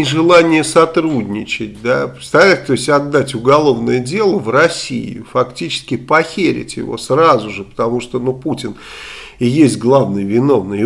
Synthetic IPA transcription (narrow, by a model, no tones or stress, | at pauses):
ɪʐɨlˠanʲɪjəsɐt̪ɾudʲnʲɪt͡ɕɪt̚ʲd̪apɾʲɪt̪st̪ɐlʲɛtʲt̪oɪsʲtʲɐd̪ːatʲʊɡɐlˠo̞vnəjədʲe̞lˠəvrɐsʲḭjʊ̰fɐktʲit͡ɕɪ̥skʲɪpɐxʲeɾʲɪ̰tʲjɪ̰vo̞̰srazʊʐɨpə̥t̪ɐmuʂt̪onuputʲɪn | ɪjesʲtʲɡlˠavnɨjvʲɪno̞vnɨj